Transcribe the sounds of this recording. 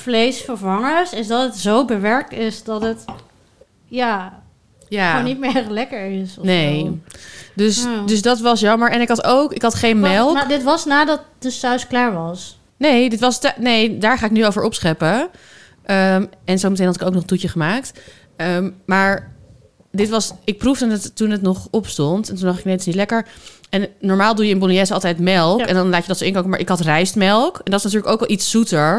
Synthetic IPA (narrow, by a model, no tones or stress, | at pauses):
flejsfəɹvɑŋəsɪsdɑtətzowbəʋɛɹk̚tɪsdɑtət | jaː | jaːonit̚mɪlɛkəɹɪsnej | døsdɵsdɑtʋɑsjɑməɹɛnɪkɦɑtowkɪkɦɑtχejnmɛlˠdɪtʋɑsnaːdɑt̚d̥əsœɥsklaːɹʋɑs | nejdɪtʋɑstnejdaːɹχaːɪknyovəɹʔɔpsχɛpə | ʔəmɛnzowmətejnɦɑtɪkowknɔχntutəχəmaːk̚t | əmmaːɹ | dɪtʋɑsɪk̚prufdədttːunətnɔχɔpstɔntɛntundɑχtɪknejdtɪsnitlɛkəɹɛnnɔɹmaːlˠdujəɪnbolijɛsɑlˠtɛjtmɛlˠkɛndɑnlaːtjədɑtsoɪŋkowkəmaːɹʔɪkɦɑtrɛjstmɛlˠkɛndɑtɪsnatyːɹləkowkʋɛlˠitsutəɹ